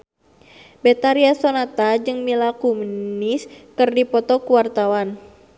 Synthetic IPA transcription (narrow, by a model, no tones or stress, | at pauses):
bet̪aɾiasonat̪ad͡ʒɨŋmilakumniskɨrdipɔt̪ɔkuwart̪awan